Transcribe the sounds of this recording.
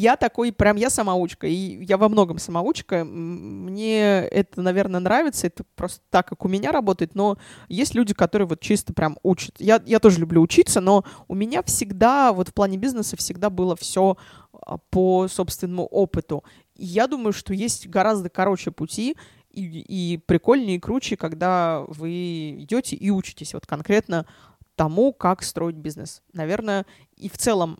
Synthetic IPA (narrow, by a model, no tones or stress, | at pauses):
jat̪ɐko̞jpɾʲamjasɐmaut͡ɕkəijavɐmno̞ɡəmsəmɐut͡ɕkəmnʲe̞ɛt̪ənɐvʲe̞rnəənɾavʲɪt̪səɛt̪əpɾo̞st̪ə̥t̪akːakʊmʲɪnʲaɾɐbo̞t̪əjɪt̪no̞jesʲtʲlʲʉdʲɪkɐt̪o̞ɾɨjəvo̞t̪t͡ɕist̪əpɾʲʔamut͡ɕɪ̥t̪jajat̪o̞ʐəlʲʊblʲuːt͡ɕit̪səno̞ʊmʲɪnʲafsʲɪɡd̪avo̞t̪fplˠanʲɪbʲiznəsəfsʲɪɡd̪abɨlˠəfsʲo̞̰ | pəso̞pst̪vʲɪnːəmʊ̰ʔo̞pɨt̪ʊ | ijad̪uməjʊʂt̪o̞jesʲtʲɡɐɾazd̪əkɐɾo̞t͡ɕɪjəpʊtʲi | iipɾʲɪko̞lʲnəɪkɾut͡ɕɪkɐɡd̪avɨɪdʲotʲɪ̰ʔiut͡ɕɪ̥tʲɪsʲvo̞̰t̪kɐnkɾʲe̞t̪nə | t̪ɐmukakst̪ɾo̞ɪt̚ʲbʲiznɨsnɐvʲe̞rnəjə | ḭft̪sɛlˠəm